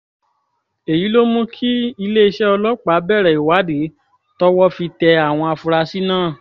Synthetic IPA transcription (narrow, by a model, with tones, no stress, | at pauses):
e˨ji˨˦lo˦mũ˦kʰi˦i˧le˦i˧ʃɛ˦ɔ˧lɔ˦k͡pa˨˦bɛ˦˨ɾɛ˨i˨wa˨˦de˨˦ | tɔ˦wɔ˦fi˧tɛ˧a˨w̃ɔ̃˧a˧fũ˧ɾa˧si˦nãː˦˨